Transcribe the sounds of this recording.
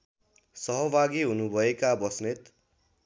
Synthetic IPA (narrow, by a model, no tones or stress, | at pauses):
sʌɦʌbʱaɡiɦunubʱʌekabʌsnet̪